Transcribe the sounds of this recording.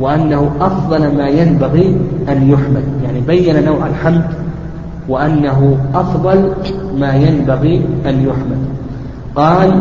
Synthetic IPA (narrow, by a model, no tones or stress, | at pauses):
wɪʔanːaɦʊʔɑfðˤɑlmaːjambaɣiʔanjʊħmad̪jaʕnibajːananawʕalħamd̪ | wɪʔanːaɦʊʔɑfðˤɑlmaːjambaɣiʔanjʊħmad̪ | qɑːl